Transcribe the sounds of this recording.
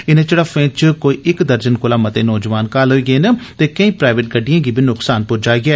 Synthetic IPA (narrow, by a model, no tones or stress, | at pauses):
ɪnẽːt͡ʃəɽəfẽːt͡ʃkoːiːʔɪkd̪əɾd͡ʒənkʊlaːmət̪eːnɔːd͡ʒʋaːnkaːlɦoːiːɡeːnet̪eːkəĩːpɾaːɪʋeʈ̚ɡəɖɪjãːɡiːbʱiːnʊksaːnpʊɾd͡ʒaːɡɪɛː